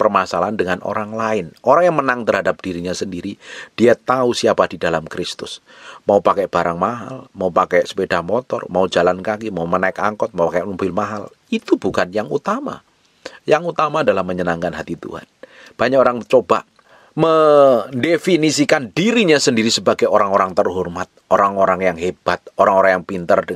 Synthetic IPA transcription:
pərmasalaandəŋano̰ɾaŋlaɪnoɾaŋjaŋmənaŋt̪ərɦadap̚d̥iɾiɲasəndiɾid̥iat̪ausiapadidalamkɾɪst̪ʊs | maupakɛʔb̥aɾaŋmaɦa̰lmaupakɛʔsə̥pedahmɔt̪ɔ̰rmaud͡ʒalankakimaumənaɪka̰ŋkɔt̪̚maupakɛʔmubɪlmaɦal | it̪ubukanjaŋut̪ama̰ | jaŋut̪amaːdalahməɲənaŋkanɦat̪it̪ṵha̰n | b̥aɲakoɾaŋt͡ʃob̥aʔ | məndefinisikandiɾiɲasəndiɾisəbaɡajoɾaŋoɾaŋt̪ərɦɔrmat̪̚ʔoɾaŋoɾaŋjaŋɦeb̥at̪̚oɾaŋoɾaŋjaŋpint̪ərdə

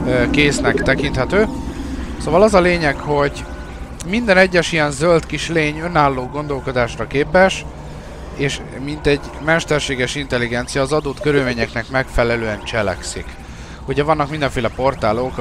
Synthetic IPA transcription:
keːsnɛkt̪ɛkint̪hɛt̪øː | soːvɒlɒzɒleːɲɛkho̞ɟ | mind̪ɛnɛɟːɛʃijɛnzølt̪kiʃleːɲø̞naːlːoːɡo̞nd̪o̞lko̞d̪aːʃrɒkeːpɛʃ | eːʃ | mint̪ɛɟ | mɛʃt̪ɛrʃeːɡɛʃint̪ɛlːiɡɛnt̪sijɒːzɒd̪oːt̪kø̞ɾylmeːɲɛknɛkmɛkfɛlɛløːɛnt͡ʃɛlɛ̰ksḭk | uɟɛvɒnːɒkmind̪ɛɱfeːlɛpo̞rt̪aːlok

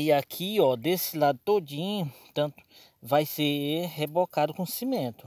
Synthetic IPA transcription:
iakʰiɔd̪esɪlad̪ʊt̪od͡ʒĩɲʊ | t̪ɐ̃t̪ʊ̥ | vajsehebokad̪ʊkõsimẽt̪ʊ̥

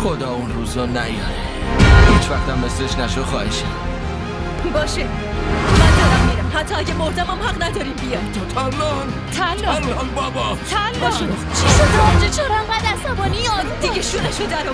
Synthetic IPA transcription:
xod̪ɒːunɾuːzɔnæ̰jd | hiːt͡ʃʰvæxt̪æmːesleʃnæʃod̪xɒːheʃæ | bɒːʃe | mænd̪ɒːɾæmːiɾæmhæt̪ʰːɒːæɟæmoɾd̪æmæmhæʁnæd̪ɒːɾiːmbijɒjd̪̥t̪ʰalːɔ | t̪ʰælːl | bɒbɒt̪ʰælːɒʃ | t͡ʃʰiʃod̪and͡ʒet͡ʃʰoɾæmɡæd̪æsæbɒːnijɒd̪iɡeʃunæʃod̪æɾ

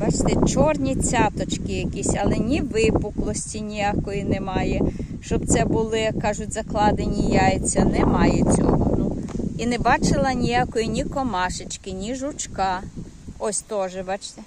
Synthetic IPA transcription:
bɑt͡ʃt̪ɛt͡ʃɔrnʲit͡sʲɑt̪ɔt͡ʃkɪjɐkʲisʲɐlˠɛnʲiʋɪpʊklˠɔsʲtʲinʲijakɔjinemɑjɛ | ʃt͡ʃɔbt̪sɛbʊlˠɪkɑʒʊtʲzɐklˠɑd̪enʲijɑjet͡sʲːɐnɛmɑjet͡sʲɔ̰ɦɔnʊinɛbɑt͡ʃɪlˠɐnʲijakɔjinʲikɔmɑʃɪt͡ʃkɪnʲiʒʊt͡ʃkɑ | ɔsʲt̪ɔʒɛbɑt͡ʃt̪ɛ

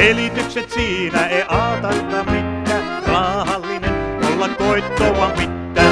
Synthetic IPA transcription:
elit̪ykset̪siːnæeiʔɑːt̪ɑrt̪ɑmmit̪ːæː | rɑːhɑlːinenolːɑkkoit̪ːoːʋɑmmit̪ːæː

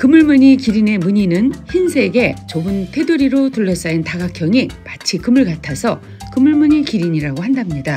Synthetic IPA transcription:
kɯmɯɭmɯɲikiɾine̞muɲinɯnçinsʰe̞ɡe̞t͡ɕobɯntʰe̞duɾiɾotuʎːʌs͈aintaɡakʰjʌŋimat͡ɕʰikɯmɯɭkatʰasʰʌ | kɯmɯɭmuɲikiɾiɲiɾaɡohandamɲida

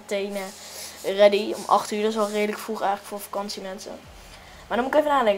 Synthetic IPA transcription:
tejnə | rɛdiɔ̰mɑ̰χtyːɹdɔsʋɛlˠreːdələkfruχɛjxləkfoːfḁkɑnsimɛnsə̰ | maːdɔnmutɪkevənaːlɛŋ

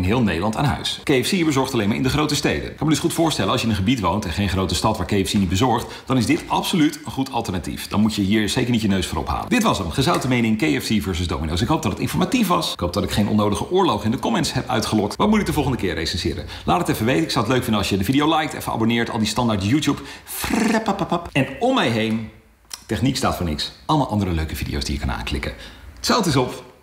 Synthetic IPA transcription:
ɪnɦɪːlˠnejdəlɑnta̰ːnɦœ̰ɥskejɛfsibəzɔɹχtɑlejma̰ɹʔɪ̰ndəχrowtəstejdə̰nkɑnmədɵsχutfʊːɹstɛlənɑlsjəɪnənχəbitʋowntɛnχejnχrowtəstɑtʋaːɹkejɛfsinit̚bəzɔɹχt | d̥ɑnɪzdɪtɑpsolytənχutʰɑ̰lˠtəɹnatḭfd̥ɑ̰nmucəɦiːɹz̥ejkəɹnitjənøɥsfʊːɾɔ̰pɦa̰ːləndɪtʋɑsənnχəzɑwtəmejnɪŋkejɛfsivɛɹsəzdo̰wmino̰ws̬ɪkɦowpdɑtdətɪ̰nfɔɹmatifʋɑsɪkɦoʊwp̚dɑtɪkχejnʔɔ̰nːowdəχəʔʊːɹlowχɪndəkɔmɛnsɦɛpœ̰ɥtχəlɔk̚tʋɑt̚mutɪk̚dəvɔlˠχəndəkɪːɹrejsɛnsɪːɾə̰ | lʔaːtətɛfəʋejtəɪksɔwətløɥkfɪndəɑlˠʃjədəvidiowlɛjk̚tɛ̰fəa̰bonɪːɹtɑ̰lˠdistɑndaːɹtjutjupfrɛpapapəpɛnɔmːɛjɦejn | tɛχniksta̰ːtfʊːɹnɪ̰ksʔɑlˠmalʔɑndəɾəløɥkəvidḭjo̰wzd̥iːjəkɑna̰ːnklɪ̰kətsɛlˠtɪsɔp

